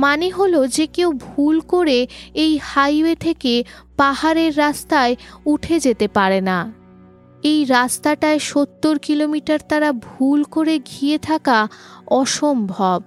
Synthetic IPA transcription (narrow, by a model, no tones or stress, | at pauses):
maneɦolod͡ʑekewbʱulkoɾeejhajwet̪ʰeke | paɦaɾeɾːast̪aeuʈʰed͡ʑet̪epaɾena | ejɾast̪aʈaeʃot̪ːoɾkilomiʈaɾt̪aɾabʱulkoɾeɡʱiet̪ʰakaɔʃombʱɔb